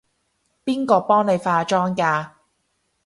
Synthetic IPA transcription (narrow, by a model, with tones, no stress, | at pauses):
piː˥nkɔː˧pɔː˥ŋne˨˧jfaː˧t͡ʃɔː˥ŋkaː˧